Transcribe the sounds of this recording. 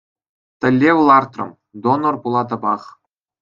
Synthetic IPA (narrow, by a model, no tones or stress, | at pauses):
t̪ɘ̆lʲːeʋɤlˠɑrt̪rɤ̰̆m | d̪onorpulˠɑt̪ɤ̆bɑχ